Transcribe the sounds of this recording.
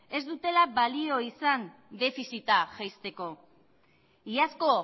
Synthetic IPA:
e̞zd̪ut̪e̞labalio̞isan | d̪e̞fisit̪aʝajst̪e̞ko̞ | iasko̞

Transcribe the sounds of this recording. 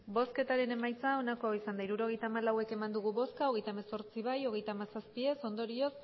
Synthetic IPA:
bo̞ske̞t̪aɾe̞ne̞majt͡sao̞nakoisand̪aiɾuɾo̞ɣ̞e̞jt̪aːmalawe̞ke̞mand̪uɣ̞uβo̞skao̞ɣe̞jt̪amaso̞ɾt͡siβ̞ajo̞ɣe̞jt̪aːmasaspie̞so̞nd̪o̞ɾio̞s

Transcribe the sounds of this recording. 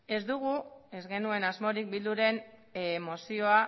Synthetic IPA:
e̞zd̪uɣ̞ue̞zɣe̞nue̞nazmo̞ɾik̚bild̪uɾe̞n | emo̞sio̞a

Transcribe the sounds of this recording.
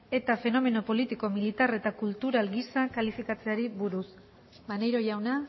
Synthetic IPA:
e̞t̪afe̞no̞me̞no̞po̞lit̪iko̞milit̪are̞t̪akult̪uɾalɡisakalifikat͡se̞aɾiβuɾus | banejɾo̞ʝawna

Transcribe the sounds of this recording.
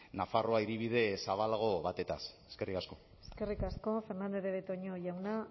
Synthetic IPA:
nafaroaiɾiβ̞iðe̞saβalaɣ̞o̞βat̪e̞t̪aseske̞rikasko̞ | eske̞rikasko̞fe̞ɾnand̪eðeβet̪oɲoʝawna

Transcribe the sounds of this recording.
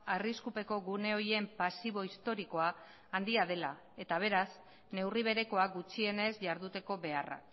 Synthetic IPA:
ariskupe̞ko̞ɣune̞oje̞mpasiβ̞o̞ist̪o̞ɾiko̞aː | nd̪iað̞e̞la | e̞t̪aβ̞e̞ɾas | ne̞wriβ̞e̞ɾe̞ko̞aɡut͡ʃie̞ne̞zʝaɾðut̪e̞ko̞βe̞ara̰k

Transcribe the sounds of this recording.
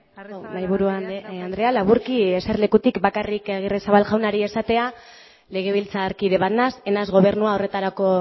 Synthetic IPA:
majβuɾuaand̪ɾe̞alaβuɾkieseɾle̞kut̪ikbakarikaɣ̞iresaβalʝawnaɾie̞sat̪e̞a | le̞ɣ̞e̞β̞ilt͡saːɾkið̞e̞βat̪nase̞nazɣo̞β̞e̞ɾnuao̞re̞t̪aɾako̞

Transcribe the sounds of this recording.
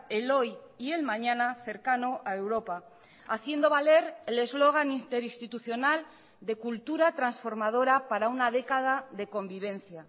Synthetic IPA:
elo̞jie̞lmãɲãnaθe̞ɾkanoʔae̞wɾo̞pa | aθje̞nd̪o̞βale̞ɾele̞zlo̞ɣ̞anint̪e̞ɾist̪it̪uθjo̞nal | d̪e̞kult̪uɾat̪ɾansfo̞ɾmað̞o̞ɾapaɾaunað̞e̞kaðaðe̞kõ̞mbiβ̞ẽ̞nθja

